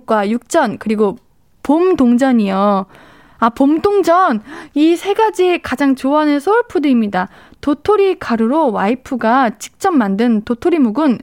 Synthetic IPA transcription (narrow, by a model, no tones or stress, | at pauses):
k͈wajuk̚t͡ɕ͈ʌnkɯɾiɡo | pomdoŋd͡ʑʌɲijʌ | apomdoŋd͡ʑʌnisʰe̞ɡad͡ʑikad͡ʑaŋt͡ɕoɦanɯnsʰouɭpʰudɯimɲida | totʰoɾikʰaɾɯɾowaipʰɯɡat͡ɕi̥k̚t͡ɕ͈ʌmːandɯntotʰoɾimuɡɯn